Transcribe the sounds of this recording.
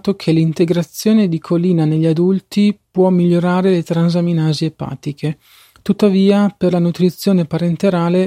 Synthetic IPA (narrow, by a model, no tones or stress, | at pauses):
t̪okʰelint̪eɡɾat̪sːjoːned̪ikʰolːiːnaneʎːiad̪ult̪ipwɔmːiʎːoɾaːɾelet̪ɾanzaminaːziepa̰ːt̪ikʰe | t̪ut̪ːaviːaperlanut̪ɾit̪sːjoːnepaɾent̪eɾaːle